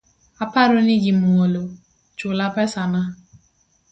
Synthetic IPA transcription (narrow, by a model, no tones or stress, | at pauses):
apaɾoniɡimuŋolo | t͡ʃʊlapɛsana